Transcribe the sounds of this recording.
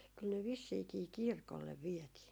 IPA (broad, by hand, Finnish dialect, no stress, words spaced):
kyl ne ʋisːiːkiː kirkolːeʋ ʋiɛtiː